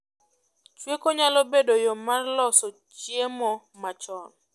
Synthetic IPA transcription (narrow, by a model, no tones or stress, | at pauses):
t͡ʃwekoɲalɔbedojɔmarlɔsɔ | t͡ʃjemɔ | mat͡ʃɔn